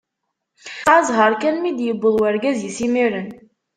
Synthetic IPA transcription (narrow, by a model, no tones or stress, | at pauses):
azɦɑɾˤkænmid̪jəbːəlˠwæɾɡæzjəsimiɾən